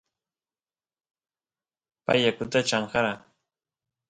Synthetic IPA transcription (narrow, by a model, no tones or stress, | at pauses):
pa̰jakʊt̪at͡ʃaɴhɑɾa